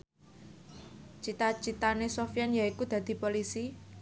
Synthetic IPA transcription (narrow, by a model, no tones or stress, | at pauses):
t͡ʃit̪at͡ʃit̪anesofjanjaikud̪̥ä̤d̪̥i̤polisi